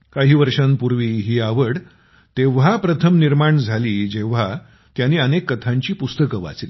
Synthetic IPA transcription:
kaɦiːʋəɾʂənpuɾʋiːɦiːaʋəɽ | t̪eʋ̤apɾət̪ʰəmniɾmaɳd͡zʱaliːd͡ʑeʋ̤a | t̪janːiːənekːət̪ʰãɲt͡ɕiːpust̪əkəʋa̰t͡sliː

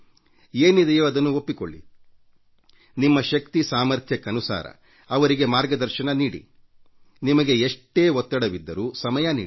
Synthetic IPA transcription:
e̞ːnid̪ejoːɐd̪ɐnːuopːiko̰ɭːḭ | nimːɐʃɐkt̪isaːmɐɾt̪ʰjɐkːɐnusa̰ːɾɐ̰ | ɐʋɐɾiɡe̞maːɾɡɐd̪ɐɾʃɐnɐniːɽḭ | nimɐɡe̞eʂʈːe̞ːɦɔt̪ːɐɽɐʋid̪ːɐɾuːsɐmɐjɐnḭːi

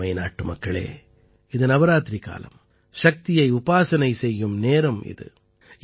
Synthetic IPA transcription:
ɐɪnaːʈːɯmɐkːɐɭḛː | ɪðɯnɐʋɐɾaːt̪ɪɾika̰ːlɐ̰m | ʃɐk̚t̪ɪjɐɪʊbaːsɐnɐɪsɛjːɯmneːɾɐmɪ̰ðɯ̰

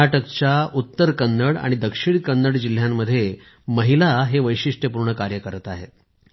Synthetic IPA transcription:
aʈəkt͡ɕjaut̪ːəɾkənːəɽa̰ɽ̃id̪əkʂiɳkənːəɽd͡ʑil̤jamːəd̪ʱːje | məɦilaɦeʋəjɕiʂʈʰəpuɾɳəkaɾjəkəɾət̪aɦḛt̪̚

